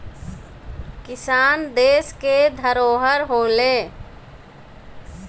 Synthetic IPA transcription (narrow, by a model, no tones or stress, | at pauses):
kɪsaːnd̪eːsked̪ʱəɾoːɦəɾɦoːleː